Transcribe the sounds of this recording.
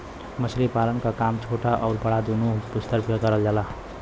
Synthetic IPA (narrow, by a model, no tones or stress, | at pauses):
mʌslipalʌnkakamt͡sʰoʈaʔʌwɾpaɽad̪unubist̪ʌrpʰiɡʌɾʌld͡ʒala